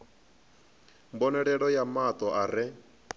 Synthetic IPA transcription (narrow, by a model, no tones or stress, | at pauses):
mbɔnɛɺɛɺɔjamat̪ɔʔaɾɪ